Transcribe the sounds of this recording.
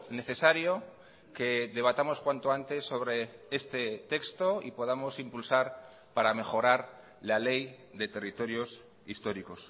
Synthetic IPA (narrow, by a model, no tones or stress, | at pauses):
ne̞θe̞saɾjo̞ | ke̞ðe̞β̞at̪amo̞skwant̪oant̪e̞sːo̞βɾe̞est̪e̞t̪e̞kst̪o̞ḭpo̞ðamo̞simpulsaɾ | paɾame̞xo̞ɾaɾ | lale̞j | d̪e̞t̪e̞rit̪o̞ɾjo̞s | ist̪o̞ɾiko̞s